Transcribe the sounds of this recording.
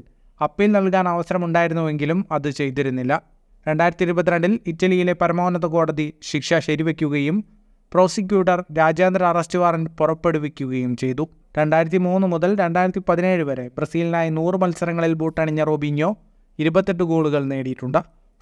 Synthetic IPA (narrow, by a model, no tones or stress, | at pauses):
ɐpːilnɐɭkaːnɐʋɐsɐɾɐmuɳɖaːjiɾunːuʋe̞ŋɡilumɐðɨt͡ɕe̞jt̪̬iɾunːilːɐ | ɾe̞ɳɖaːjiɾɐt̪ːiɾubɐt̪ːiɾɐɳɖilitːɐlijile̞pɐɾɐmoːnɐt̪ðɐko̞ːɽɐðiɕikʂɐɕɐɾiʋe̞kʲːuɣɐjum | pro̞ːsik̬ʲjuːʈːɐrɾaːd͡ʑaːnd̪ɾɐːrɐstɨʋaːrɐnpurɐpːe̞ɽuʋekʲːuɣɐjumt͡ɕe̞jt̪u | ɾe̞ɳɖaːjiɾɐt̪̬ːimuːnːɨmuðɐlɾe̞ɳɖaːjiɾɐt̪ːipɐðine̞ːɻuʋɐɾe̞brɐsiːlinaːjɐnuːrɨmɐlsɐɾɐŋːɐɭilbuːʈːɐɳiɲːɐrobʱiɲːo̞ː | iɾubɐt̪ːe̞ʈ̬ːɨɡoːɭuɣɐɭne̞ːɽijiʈːuɳɖɨ